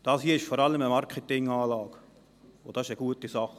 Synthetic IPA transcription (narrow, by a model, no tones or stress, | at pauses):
d̥ɑːshiːəɪʃfɔɾɑləməmɑɾkʰətɪŋɑːlɑːɡ̥ | o̰d̥ɑːɪʃəɡ̥uətisɑχ